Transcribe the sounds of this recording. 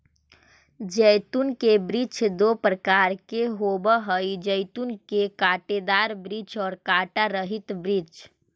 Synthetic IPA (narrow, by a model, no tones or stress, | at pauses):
d͡ʒəɪt̪unkebɾit͡ʃd̪opɾəkaɾkeɦobəɦəjd͡ʒəjt̪unkekaʈed̪aɾbɾit͡ʃɔːɾkaːʈaɾəɦit̪bɾit͡ʃ